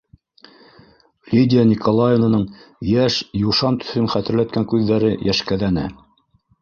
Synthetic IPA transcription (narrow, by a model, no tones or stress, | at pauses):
lʲidʲɪjanʲikʰolˠajɪnɤ̆nɤɴjæʃjuʃɑnt̪ɵ̥̆θɵnχæt̪ɘ̆ɾlæt̪̚kæŋkʉðːæɾɘjæʃkæðænɘ̰